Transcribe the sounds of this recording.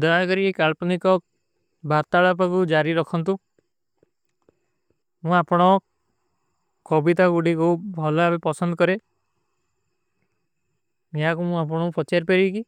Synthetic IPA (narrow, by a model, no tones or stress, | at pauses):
d̪ɔjakɔɾiekaɭpɔnikɔ | bʱaɾt̪aɭap̬akud͡ʒaɾiɾɔkʰɔnt̪̬ũ | mũapɔɽ̃ɔ | kɔbit̪aɡuɽiɡoubʱɔlabepɔsɔnd̪ɔkɔɾe | miakumũap̬ɔɽ̃ɔpʰɔt͡ʃeɾpeɾiki